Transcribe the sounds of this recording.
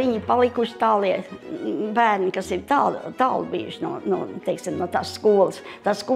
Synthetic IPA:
iɲipalˠikuʃʲt̪ɑːlˠiɛ | bæːɾnikasiɾt̪ɑːlt̪ɑːlˠbijṵʃnuɔnut̪ɛːksimnut̪ɑːsskuɔlˠst̪ɑssku

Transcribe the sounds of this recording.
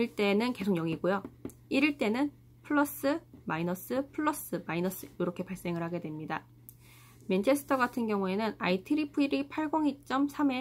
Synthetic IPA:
ɯɭt͈e̞nɯnke̞sʰokjʌŋiɡojo | iɾɯɭt͈e̞nɯn | pʰɯɭːʌs͈ɯmainʌs͈ɯpʰɯɭːʌs͈ɯmainʌs͈ɯjoɾʌkʰe̞paɭs͈e̞ŋɯɭɦaɡe̞dwemɲida | me̞nt͡ɕʰe̞sʰɯ̥tʰʌɡatʰɯnɡjʌŋue̞nɯna̰itʰɯɾipʰuiɾipʰaɭɡoŋit͡ɕ͈ʌmsʰame̞

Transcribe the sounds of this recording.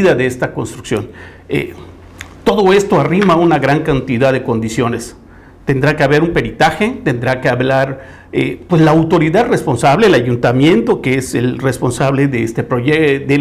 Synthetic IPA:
iðaðeest̪ako̞nst̪ɾuksjo̞̰n | ḛ | t̪o̞ðo̞e̞st̪o̞arimaunaɣɾaŋkant̪iðaððe̞ko̞nd̪isjo̞ne̞s | t̪e̞nd̪ɾakeaβe̞ɾumpe̞ɾit̪axe̞t̪e̞nd̪ɾakeaβlaɾ | ḛpweslaːwt̪o̞ɾiðaðrespo̞nsaβle̞laʝunt̪amjẽ̞nt̪o̞keeselrespo̞nsaβleðeest̪epɾoʝed̪e

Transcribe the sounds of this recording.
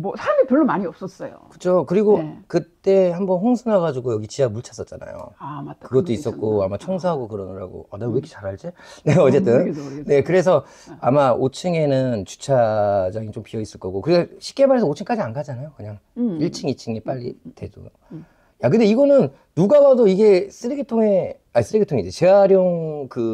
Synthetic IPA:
mʌsʰaɾamdepjoɭːomaɲiʌp̚s͈ʌs͈ʌjo̰kɯ̥t͡ɕʰokɯɾiɡokɯt͈e̞hambʌnɸoŋsʰɯnaɡad͡ʑuɡojʌɡit͡ɕiamuɭt͡ɕʰḁs͈ʌt̚t͡ɕ͈ana̰jo̰kɯɡʌt͈̚ois͈ʌt̚k͈oamat͡ɕʰʌŋsʰaɦaɡokɯɾʌnɯɾa̰ɡo̰ʌnewekʰi̥t͡ɕaɾaɭt͡ɕ͈ene̞ʌt͡ɕe̞t͈ɯnne̞kɯɾe̞s̬ʰʌ | amaʔot͡ɕʰɯŋe̞nɯnt͡ɕu̥t͡ɕʰad͡ʑaŋit͡ɕompiʌis͈ɯɭk͈ʌɡokɯɾik͈aɕʰi̥k͈e̞maɾes̬ʰʌot͡ɕʰɯŋk͈ad͡ʑianɡad͡ʑanajokɯɲaŋiɭt͡ɕʰiŋit͡ɕʰiŋep͈aʎːḭtwe̞do̰ | jak̬ɯnde̞iɡʌnɯn | nuɡabadoiɡe̞s͈ɯɾeɡitʰoŋe̞ | as͈ɯɾeɡitʰoŋedet͡ɕe̞ɡaɾjoŋkɯ

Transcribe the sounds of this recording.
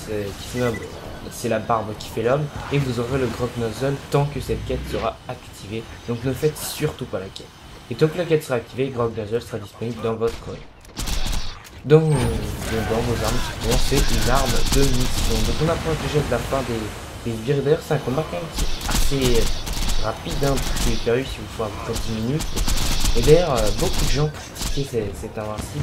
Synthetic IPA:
sɛkʲi̥snɔb | sɛlabaʁbkʲi̥fɛlɔmevuzoʁeləɡʁɔɡnɔzœlt̪ɑ̃kəsɛt̪̚kʲɛt̪səʁaakt̪ʰived̪̥ɔ̃knəfɛt̪syʁt̪upalakʲɛt̪ | et̪ɑ̃kəlakʲɛt̪səʁaːk̚t̪iveɡʁɔɡnɔzœlsəʁad̪ispɔnibləd̪ɑ̃vɔt̪χɔl | d̪ɑ̃d̪ɔ̃kd̪ɑ̃vozaʁmsipɛjɑ̃sɛd̪ezaʁmd̪ənit̪d̪ɔ̃kd̪ɔ̃k̪ɔ̃napχɔʃd̪eʒad̪əlafɛ̃d̪e | d̪̥eviʁid̪ajœʁsɛ̥t̪ɛ̃kɔ̃bakɔmɛ̃mkʲɛaseøʁapid̪ɛ̃peypɛʁjysivufoãvɔt̪χɛ̃d̪iminyt̪ed̪ɛjœʁøbokud̪əʒɑ̃kχit̪i̥kʲesɛsɛt̪ɛ̃vɛ̃si

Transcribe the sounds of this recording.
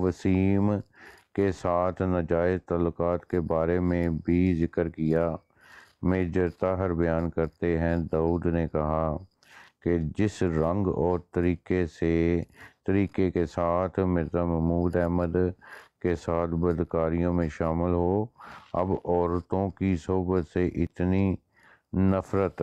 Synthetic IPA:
ʋəsiːmkesaːt̪ʰnəd͡ʒaːɪd͡ʒt̪əlːʊkaːt̪kebaːɾemẽbʱizɪkəɾkijaː | meːd͡ʒəɾt̪aːɦəɾbəjaːnkəɾt̪eɦɛ̃d̪aːuːd̪nekɐɦa | ked͡ʒɪsɾə̃ŋɡɔːɾt̪əɾiːkeset̪əɾiːkekesaːt̪ʰmɪɾzəməmuːd̪ɛɦməd̪kesaːt̪ʰbəd̪kaːɾijõmẽʃaːmɪlɦoɐ̰bɔːɾt̪õkisoːbət̪seʔɪt̪ni | nəfɾət̪

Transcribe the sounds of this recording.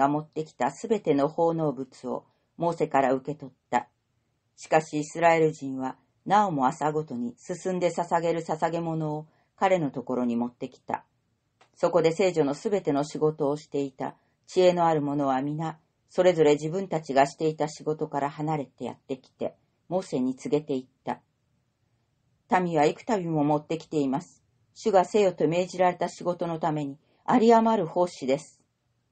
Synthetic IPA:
amo̞t̪ːe̞kʲi̥t̪asɨbe̞t̪e̞no̞ho̞ːno̞ːbɯ̟t͡sɨo̞̰ | mo̞ːse̞kaɾaɯ̟ke̞t̪o̞t̪ːa | ɕi̥kaɕiːsɨɾae̞ɾɯ̟ʑĩɰ̃βa | naomo̞asaɡo̞t̪o̞ɲ̟isɨsɨ̃nd̪e̞sasaɡe̞ɾɯ̟sasaɡe̞mo̞no̞ː | kaɾe̞no̞t̪o̞ko̞ɾo̞ɲ̟imo̞t̪ːe̞kʲi̥t̪a̰ | so̞ko̞d̪e̞se̞ːʑo̞no̞sɨbe̞t̪e̞no̞ɕiɡo̞t̪o̞ːɕi̥t̪e̞it̪a̰ | t͡ɕie̞no̞aɾɯ̟mo̞no̞β̞amʲina | so̞ɾe̞zo̞ɾe̞d͡ʑibɯ̟̃nt̪at͡ɕiɡaɕi̥t̪e̞it̪aɕiɡo̞t̪o̞kaɾahanaɾe̞t̪e̞ja̰t̪ːe̞kʲi̥t̪e̞̰ | mo̞ːse̞ɲ̟it͡sɨɡe̞t̪e̞it̪ːa | t̪amʲiβ̞aikɯ̟̥t̪abʲimo̞mo̞t̪ːe̞kʲi̥t̪e̞imasɨ̥ | ɕɨɡase̞jo̞t̪o̞me̞ːʑiɾaɾe̞t̪aɕiɡo̞t̪o̞no̞t̪ame̞ɲ̟i | aɾʲiamaɾɯ̟ho̞ːɕid̪e̞sɨ̥

